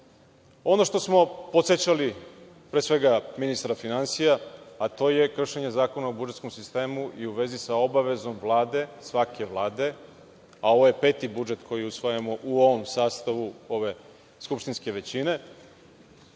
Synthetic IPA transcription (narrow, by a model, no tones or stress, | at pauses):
o̞no̞ʃt̪o̞smo̞po̞t̪set͡ɕali | pɾesʋe̞ɡaminist̪ɾafinansijaat̪o̞ːje̞kr̩ʃeɲe̞zaːko̞naobud͡ʒet̪sko̞msist̪e̞ːmuʔiuʋe̞zisao̞baʋe̞zo̞mʋlˠaːd̪e̞sʋakʰe̞ʋlˠaːd̪e̞ | ao̞ʋo̞je̞pe̞ːt̪ibud͡ʒe̞t̪kʰo̞jiusʋojamo̞ʔuo̞ʋo̞msaːst̪aʋuo̞ʋe̞ | skupʃt̪inske̞ʋe̞t͡ɕine̞